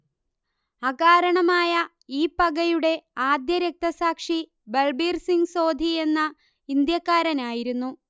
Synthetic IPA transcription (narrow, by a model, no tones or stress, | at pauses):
ɐɣaːɾɐɳɐmaːjɐ | iːpɐɡɐjuɽe̞aːd̪jɐɾek̚t̪ɐsaːkʂi | belbiːrsiŋɡso̞ːd̪ʱie̞nːɐ | ind̪jɐkːaːɾɐnaːjiɾunːu